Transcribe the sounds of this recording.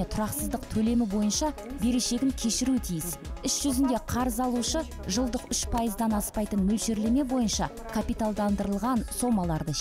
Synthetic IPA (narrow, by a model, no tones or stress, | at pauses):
et̪ʰʊɾɑqsəzd̪əqt̪ʰɵle̞mɪbo̞jənʃɑbe̞ɾe̞ʃe̞ɡʲɪnkʲʰe̞ʃɪɾut̪ʰijɪsʏsʒ̥ʏzɪnd̪e̞qʰɑɾəzɑlˠuʃə | ʒəlˠd̪əqʏʃpʰɑjəzd̪ɑnɑspɑjt̪ənmɵlʃe̞ɾle̞me̞bo̞jənʃɑ | kʰapijt̪alˠd̪ɑnd̪əɾəlˠʁɑnso̞mɑlˠɑɾd̪ə